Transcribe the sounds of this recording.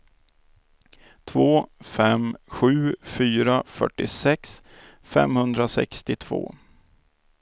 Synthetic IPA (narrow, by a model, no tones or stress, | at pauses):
t̪ʰvoːfɛmɧʉ̟ːfyːɾafœ̰ʈːɪsɛks | fɛ̰mhɵnd̪ɾasɛ̰kst̪ɪt̪ʰv̥o̰ː